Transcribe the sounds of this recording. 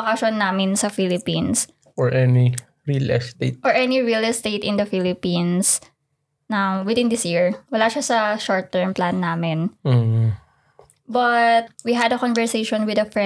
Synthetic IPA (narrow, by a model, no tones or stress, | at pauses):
kaʃonːaːmɪnsɐfilɪpĩns | ʔɔɹʔɛni | ɹilɛst̪et̪̚ʔɔɹʔɛniɹilɛst̪et̪ɪ̃nd̪ɐfilɪpĩns | nawwɪd̪ɪ̃nd̪ɪsjiɹwɐlaːʃasɐʃɔɹt̪ːɛɹmplanːaːmɛn̩ | bɐt̪̚wiɦɐd̪ɐkɔnvɛɹsejʃɔnwɪd̪ɐfɹɛ